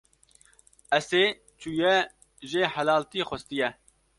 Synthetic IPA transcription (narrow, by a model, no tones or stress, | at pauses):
ɛseː | t͡ʃʰuːjɛ | ʒeːhælɑːlt̪iːxɛst̪ijɛ